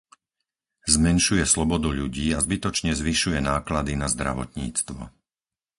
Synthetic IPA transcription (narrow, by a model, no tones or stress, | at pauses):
zmɛnʃujɛslɔbɔd̪uʎuɟiːazbit̪ɔt͡ʃɲɛzʋiʃujɛnaːklad̪inazd̪ɾa̰ʋɔ̰t̪ɲḭːt͡st̪ʋɔ̰